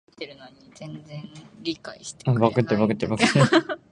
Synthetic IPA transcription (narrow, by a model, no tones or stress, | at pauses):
t̪ːeɾɯ̟noɲ̟id͡zẽ̞nd͡zẽ̞nɾʲikaiɕi̥t̪ẽ̥bakɯ̟t̪ːebakɯ̟t̪ːebak̪ː